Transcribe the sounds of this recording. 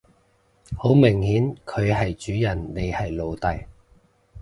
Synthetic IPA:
ho˨˥wmɪ˨˩ŋhiː˨˥nkʰɵ˨˧ɥɦɐ˨jt͡ʃyː˨˥jɐ˨˩nːe˨˧jhɐ˨jlo˨˧wt̪ɐ˨j

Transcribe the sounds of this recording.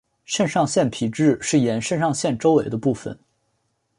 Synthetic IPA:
ʂə˥˧nʂɑ˥˧ŋɕjɛ˥˩npʰi˨˩ʈ͡ʂɻ̩˥˧ʂɻ̩˥˩jɛ˧˥nʂə˥˧nʂɑ˥˧ŋɕjɛ˥˩nʈ͡ʂo˥ʊwe˨˩ɪd̪ə˦pu˥˩fə̰˨˩n

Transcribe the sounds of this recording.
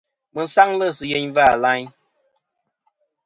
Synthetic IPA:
mə˨n̩˦sa˦ŋlə˦sɨ˨je˨˦ɲva˦˨la˦ɲ

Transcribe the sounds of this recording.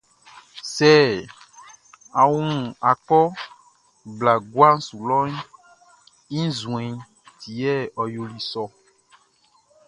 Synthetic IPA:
sɛ˦˨ | a˨wu˦ũ˨a˨kɔ˦ | bla˨ɡwa˦ŋ̩˦su˨lɔ˦ɲ˦ | ĩ˦zũ˨ɛ̃˨ | ti˨ɛ˦˨ɔ˨jo˨li˨sɔ˦

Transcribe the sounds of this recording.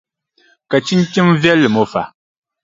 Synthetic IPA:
ka˨t͡ʃi˦n˦t͡ʃi˦mvjɛ˦lːɨ˨mo˨fa̰˨

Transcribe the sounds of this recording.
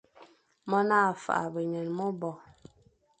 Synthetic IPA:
mɔ˦naː˦˨fa̰˨ʔa̰˨bə˨ɲə˨nmɔ˦bɔ˨

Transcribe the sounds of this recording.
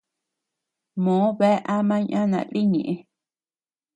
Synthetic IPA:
mõ˨˦βe˦ʔa˦mã˦ɲʔã˦nã̰˨li˦ɲḭ̃˨ʔi˦

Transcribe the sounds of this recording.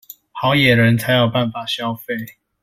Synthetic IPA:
hɑ˨˦ʊjɛ˨˩ɻə˨˦nt͡sʰa˨˦ɪjɑ˥˧ʊpa˥˨˩nfa˨˩ɕjɑ˥˦ʊfe˥˨ɪ

